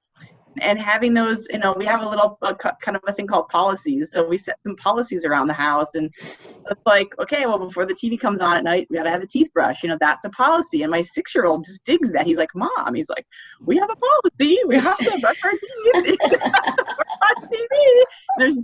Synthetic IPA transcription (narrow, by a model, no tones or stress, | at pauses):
ɨ̃nɦævɪ̃ŋðoʊzjɨ̰noʊwiɨvəlɪɾl̩ˠʌkʰʌkʰãɪ̃ndʌvɨθɪ̃ŋkʰɔlˠd̚pʰɑlˠəsiz̥soʊwisɛt̪̚sɨ̃m̩pʰɑlˠəsizə˞ãʊ̃nðɨɦaʊsɨ̃nðɨtslaɪkoʊkʰeɪwɛlˠbəfɔɹðɨtʰivikʰʌ̃mzn̩ɨtⁿnaɪt̚wiɡɑɾtɨɨvðɨtʰiθb̥ɹʌ̰ʃjɨñoʊðætsəpʰɑlˠəsiɨ̃nmaɪsɪksjə˞oʊlˠd̚d͡ʒɨs̬d̥ɪɡzðɨt̚hizlaɪk̚mɑ̃miz̥la̰ɪk̚wiəvəpʰɑlˠəsiwiəvɨɹɛkə˞tʰiθ | ativĩn̩ðə˞z